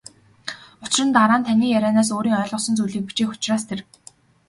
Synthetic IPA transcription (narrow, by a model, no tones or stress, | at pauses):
ʊt͡ɕrə̆nt̪aɾaːnt̪ʰæniːjæɾʲæːnaːs̬oːɾiːŋœːɮʁə̆sɞ̆nt͡sujɮiːk̚pit͡ɕiːxʊ̥t͡ɕraːs̬t̪ʰer